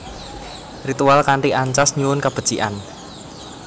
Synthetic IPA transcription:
rit̪ualkaɳʈiaɲt͡ʃasɲuwʊnkab̥əd̥ʒ̥iʔa̰n

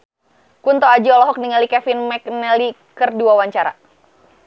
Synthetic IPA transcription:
kunt̪ɔad͡ʒiɔlɔɦɔk̚niŋalikɛfɪnmɛk̚nɛli | kərdiwawaɲt͡ʃaɾa̰

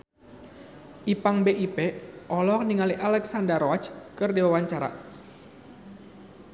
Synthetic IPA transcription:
ʔipaŋbeʔipeʔɔlɔkniŋaliʔalɛksandərɔat͡ʃkɨrdiwawaɲt͡ʃaɾa̰

